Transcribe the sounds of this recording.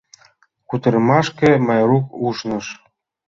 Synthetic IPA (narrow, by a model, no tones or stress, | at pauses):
kut̪ə̆rmɑʃkemɑjɾukuʃnɤ̆ʃ